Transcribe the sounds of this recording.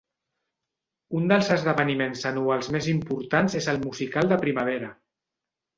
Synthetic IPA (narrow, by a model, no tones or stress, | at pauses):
und̪əlˠzəzðəβənimenzənualˠzmezimpuɾt̪anzezəlˠmuzikalˠd̪əpɾimaβ̞eɾə